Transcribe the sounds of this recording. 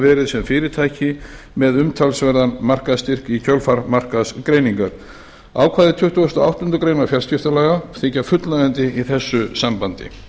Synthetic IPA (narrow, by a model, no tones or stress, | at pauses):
vɛːɾɪðsɛmfɪːɾɪt̪ʰaːjcɪ | mɛðʏmt̪ʰalsvɛɾðanmar̥kaðst̪ir̥kicʰœlfaɾmar̥kaðskɾeːjniŋkaɾ̥ | a̰ːwkʰvaːðɪt̪ʰʏht̪uast̪ɔawht̪ʏnt̪ʏkɾeːjnafjal̥scɪft̪alɛːɣaθɪcafʏt̪laɣɛnt̪ɪiθɛsːʏsampant̪ɪ̰